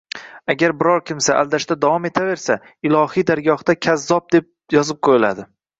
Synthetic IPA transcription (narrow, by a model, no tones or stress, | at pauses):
aɡʲaɾbɪɾɒɾkʲɪmsaʔa̰ld̪aʃt̪ad̪avɒme̞t̪ʰave̞ɾsa | ɪlˠɒhijd̪aɾɡʲɒhd̪akʲʰazːɒp̚d̪e̞p̚ | jɒzɪp̚qʰojɪla̰d̪ɪ